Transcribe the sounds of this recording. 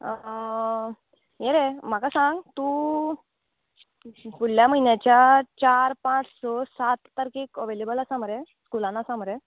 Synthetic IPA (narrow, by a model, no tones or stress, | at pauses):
jeɾem̤akasãŋɡt̪u | puɽljaməɦinjat͡ɕjat͡ɕaɾpãt͡ssɔsat̪ːəɾkekəʋelebəlasam̤əɾeskulanasam̤əɾe